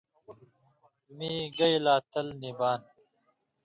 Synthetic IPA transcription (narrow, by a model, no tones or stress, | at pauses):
miːɡɐjlaːt̪ʰɐlnibaːn